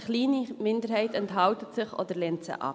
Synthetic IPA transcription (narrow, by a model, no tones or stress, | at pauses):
χliːnimɪndəɾhɛɪtɛnthɑltətsɪχʔo̰dəɾlɛːntsɪ̰χɑ̰